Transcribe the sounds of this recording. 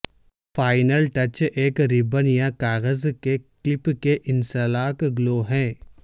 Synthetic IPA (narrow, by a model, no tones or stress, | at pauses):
faːɪnəlʈɐt͡ʃeːkɾɪbənjãkaːɣəzkeklɪpkeʔɪnsəlaːkɡloːɦɛ̃ː